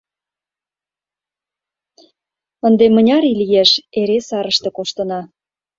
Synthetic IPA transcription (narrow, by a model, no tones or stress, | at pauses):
ənd̪emə̆nʲɑɾilijeʃeɾesɑɾəʃt̪ĕkoʃt̪ɤ̆nɑ